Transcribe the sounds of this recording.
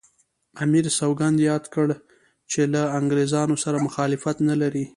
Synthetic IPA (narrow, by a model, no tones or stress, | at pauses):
amiɾsawɡand̪jɑd̪kəɽ | t͡ʃelaaŋɡɾezɑnosaɾamʊxɑlɪfat̪nalaɾi